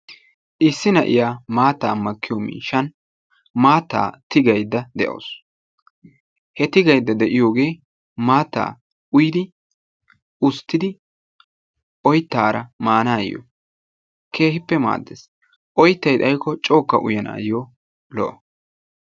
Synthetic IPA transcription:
ʔɪsːɪnɐʔɪ̰jaːmaːt̪ːaːmɐkːɪjɔmḭːʃːɐn | maːt̪ːa̰ːt̪ɪɡɐjd̪ːɐd̪ɛʔo̰ːs | hɛt̪ɪɡɐjd̪ːɐd̪ɛʔɪjo̞ːɡe̞ː | maːt̪ːa̰ː | ʊjɪd̪ɪ | ʔʊst̪ːɪd̪ɪ | ʔɔjt̪ːaːɾɐmaːnaːjo̰ | kʰe̞ːhɪpːɛma̰ːd̪ːḛs | ʔɔjt̪ːɐjt̪ɐjkːɔt͡ʃʼo̞ːkːɐʔʊ̰jɐna̰ːjo | lɔʔɐ

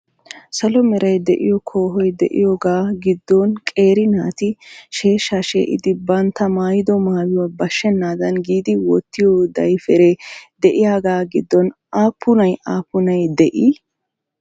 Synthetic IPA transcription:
sɐlɔmɛɾɐjd̪ɛ̰ʔɪ̰jɔkʰoːɦɔjd̪ɛʔɪ̰joːɡaːɡɪd̪ːɔnkʼe̞ːɾɪnaːt̪ɪʃe̞ːʃːaʃḛːʔɪ̰d̪ɪbɐnt̪ːɐmaːjɪd̪ɔmaːwɪwabɐʃːɛnːaːd̪ɐnɡiːd̪ɪwɔt̪ːɪjɔd̪ɐjfɛɾeːd̪ɛʔɪjaːɡaːɡɪd̪ːɔnʔaːpːʊnɐjaːpːʊnɐjd̪ɛʔi

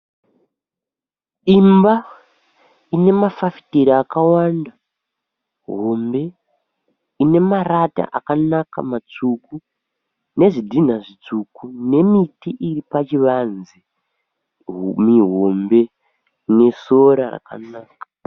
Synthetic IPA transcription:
imba | ine̞mafafi̥teɾiːkawaːnda | ɦo̞mbe̞ | ine̞marata̰ʔakanaka̰mat͡suku | ne̞ʐidʱin̤aʐit͡ʂukune̞mitiʔiripat͡ʃiʋanzi | miɦombe̞ | ne̞so̞ɾara̰ka̰naːkḁ

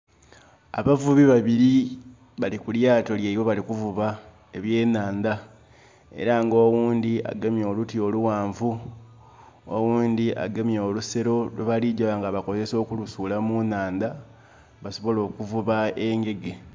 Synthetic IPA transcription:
a̰βavuβiβaβiɾi | βalikuljaːto̞ljeiwoβalikuvuβa | eβje̞ːnaːnd̪a | e̞̰ɾaŋɡoːwuːnd̪ia̰ɡemjo̞ːlutio̞luwaːɱvu | o̰wuːnd̪iʔa̰ɡemjoːluse̞ɾo̞luβaliɟaβaŋɡaβako̞ze̞so̞ːkulusuːlamunaːnd̪a | βaso̞βo̞lo̞ːkuvuβae̞ŋɡe̞ɡe̞

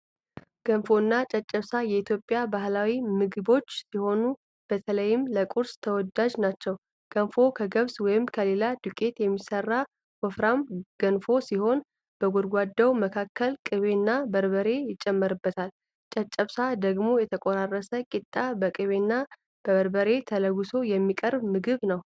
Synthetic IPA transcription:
ɡ̥ənfo̞ɨnːat͡ʃʼət͡ʃʼːəβsajɛit̪ʰjo̞pʼːjabaɦlawimɨɡɨbo̞t͡ʃːsiho̞nu | b̥ət̪ʰələjːɪmləkʼuɾst̪ʰəwɔd̪ad͡ʒnat͡ʃːɛw | ɡ̥ənfo̞kʰəɡəβswɔjɪmkʰəle̞lad̪ukʼe̞t̪jɛmːisərːa | wɔfɾamɡ̥ənfo̞siho̞n | b̥əɡoɾɡʷad̪ːəwməkʰakʰːəlkʼɨβe̞nːabəɾbəɾe̞jɪt͡ʃʼːɛmːəɾɨbːət̪ʰal | t͡ʃʼɛt͡ʃʼːəβsad̪əɡmo̞jɛt̪ʰəkʼoɾarːəsəkʼit̪ʼːabəkʼɨβe̞nːa | b̥əβəɾbəɾe̞t̪ʰələɡuso̞jɛmːikʼəɾbmɨɡɨβnəw

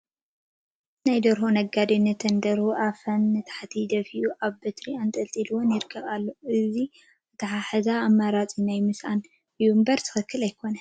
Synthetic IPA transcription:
najd̪ɐɾɦonɐɡad̪inːɨt̪ʰɐnd̪ɐɾhuʔafɐnːɨt̪ʰḁħt̪ʰid̪ɐfiʔuʔaβbɨt̪ʰɾiant̪ʼɐlt̪ʼilwonjɪɾɨkʰːɐkʼalːoʔɨzi | ɨt̪ʰɐħaħɐzaːmːaɾat͡sʼinajmɨsʔan | ɨjumbɐɾt̪ʰɨ̥xɨkːɨlajkʰo̞nɐ

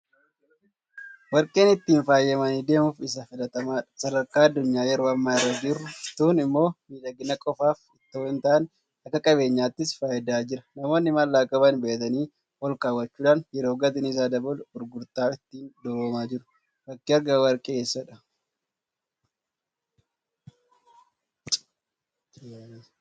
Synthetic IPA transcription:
wɐɾkʼe̞ːnɪt̪ːiːnfaːjːɐmɐniːd̪e̞ːmʊfɪs̬ɐfɪlɐt̪ɐmaːᶑɐsɐd̪ɐɾkaːɐd̪ːʊɲːaːjɛɾo̞ːɐmːaːɪrːɐd͡ʒɪrːʊt̪uːnɪmːo̞ːmiːlɐɡɪnɐkʼɔfaːfɪt̪ːoːnt̪aːʔɐn | ɐkːɐkʼɐbe̞ːɲːaːt̪ːɪsfaːjɪd̪aːd͡ʒɪɾɐnɐmo̞ːnːɪmɐlːaːkʼɐbɐnbeːʔt̪ɐniː | hɔlkaːwːɐt͡ʃːuːᶑaːnjɛɾoːɡɐt̪ɪnɪs̬aːd̪ɐbɔlʊɾɡʊɾt̪aːɪt̪ːiːnd̪oboːmaːd͡ʒɪɾʊ | bɐkːɪɐɾɡawɐɾkʼeːsːɐᶑɐ

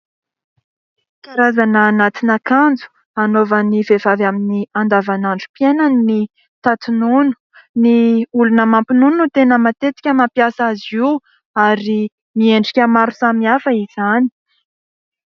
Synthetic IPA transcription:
kʲaɾazanəːnat̪inakand͡zu̥ | anovənivevavaminiand̪avanaɳɖ͡ʐupienanni | t̪at̪ununu̥ | niulunəmampinunut̪enəmat̪et̪i̥kʲəmampjasaziw | aɾi | mieɳɖ͡ʐikʲəmaɾusamiafəiz̥ani̥

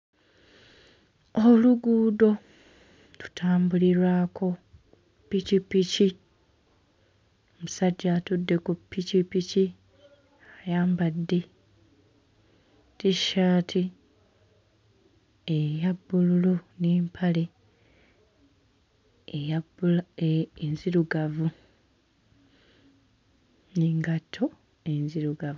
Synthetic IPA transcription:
oluɡuːdo̞ | tu̥tʰaːmbuliɾwaːkʰo̞ | picipici | omusaɟːatudːe̞kupːicipici | ajaːmbadːe | tiʃaːtʰi | ejabːululuneːmpʰale̞ | ejabuleenziɾuɡavu | niŋɡatʰːo̞ | enziɾuɡavu

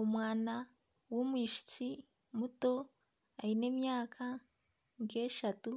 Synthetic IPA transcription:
omwaːna | womwiːʃi̥t͡si | muto̞ | aine̞ːmjaːkʰa | ŋkeːʃatu

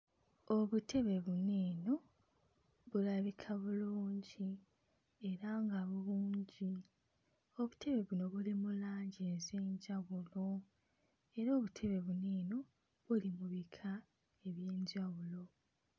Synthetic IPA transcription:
o̞βutʰe̞βe̞βuneːno | βulaβikʰaβuluːɲɟi | e̞ɾaŋɡaβuluːɲɟi | o̞βutʰe̞βe̞βuno̞βulimulaːɲɟezeːɲɟawulo̞ | e̞ɾoːβutʰe̞βe̞βuneːno̞ | βulimuβikʰa | e̞βjeːɲɟaɣulo̞

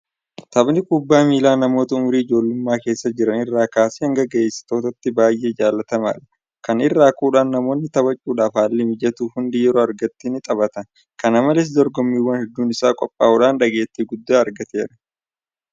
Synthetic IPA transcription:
t̪ɐbnɪkʼʊbːaːmiːlaːnɐmoːt̪ɐʊmɾiːɪd͡ʒo̞ːlːʊmːaːke̞ːsːɐd͡ʒɪɾɐnɪrːaːkaːsiːhɐŋɡɐɡɐesːɪ̥t̪o̞ːt̪ɐt̪ːɪbaːjʔe̞ːd͡ʒaːlːɐt̪ɐma̰ːᶑɐ̥ | kɐnɪrːaːkuːᶑaːnːɐmo̞ːnːɪt̪ɐbɐt͡ʃʼːuːᶑaːfaːlːɪmɪd͡ʒɛt̪uːfhʊnd̪ɪjɛɾoːɐɾɡɐt̪ːinɪt̪ʼɐβɐt̪ɐn | kɐnɐmɐlɪs̬d̪ɔɾɡɔmːiːwːɐnhɛd̪ːuːnɪsaːkʼɔpʼːaːʊᶑaːnᶑɐɡe̞ːt̪ːiːɡʊd̪ːaːɐɾɡɐt̪e̞ːɾɐ̥

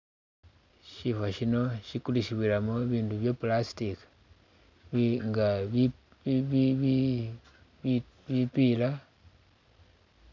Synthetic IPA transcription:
ʃifaʃino̞ʃikuliʃiβwilamoβiːnduβjopulasi̥tik | βŋɡaβ | β | βipila

